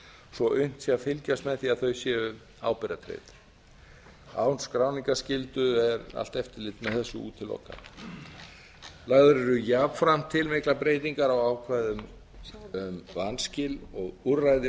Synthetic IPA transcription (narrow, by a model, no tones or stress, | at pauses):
sɔʔʏn̥t̪siafɪlcast̪mɛðθiaðθœɥsjɛʏ | a̰ːwpɛɾat̪ʰɾḛːt̪ | a̰wnskɾaːwniŋkascɪlt̪ʏɛɾa̰l̥t̪ɛft̪ɪlɪt̪mɛðθɛsːʏṵːt̪ʰɪlːɔ̰hka̰ | laɣðʏɾɪɾʏjavfɾam̥t̪ʰːɪlmɪhklapɾeːjt̪iŋkaɾawaːwkʰvajðʏm | ʏmvanscɪlɔɣuɾajðɪ